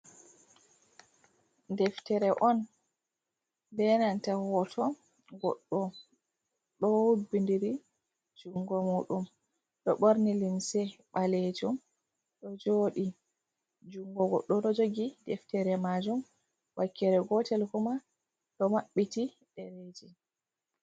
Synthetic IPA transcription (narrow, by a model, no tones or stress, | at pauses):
dɛftɛɾɛʔɔn | dɛnantahɔtʰɔ | ɡɔ̰ɗːɔ | ɗɔhubindiɾi | d͡ʒuŋɡɔmuɗum | ɗɔɓoɾnilinsɛɓalɛd͡ʒum | ɗɔd͡ʒoɗi | d͡ʒuŋɡɔɡɔ̰ɗːɔɗɔd͡ʒoɡidɛftɛɾɛmad͡ʒum | wakːɛɾɛɡɔtɛlkuma | ɗɔmaɓːiti | ɗɛɾed͡ʒɛ